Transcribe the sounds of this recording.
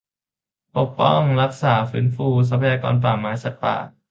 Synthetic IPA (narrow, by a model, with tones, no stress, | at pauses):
po˨˩k̚pɔ˥˩ŋɾa˦˥k̚saː˩˦fɯː˦˥nfuː˧s̬a˧˥pʰa˨jaː˧kɔ̰ː˧np̬aː˨˩mːaː˨˦˥jsa˨˩t̪̚pa̰ː˨˩